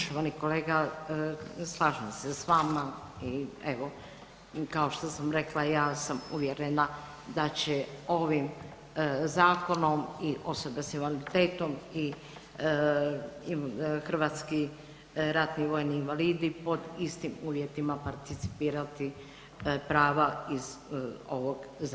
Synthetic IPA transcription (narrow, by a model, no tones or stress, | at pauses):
ʃoʋaniko̞leːɡa | slˠaːʒamsesʋaːma | ieʋo̞ | kao̞ʃt̪o̞samɾe̞klajaːsamuʋjeɾena | d̪at͡ɕeo̞ʋim | zaːko̞no̞miʔo̞so̞besinʋanit̪e̞ːt̪o̞mi | xr̩ʋaːt̪ski | ɾat̪niʋo̞jniːnʋaliːd̪ipo̞d̪ist̪imuːʋje̞t̪imapaɾt̪it̪si̥piːɾat̪i | pɾaːʋaizo̞ʋoɡz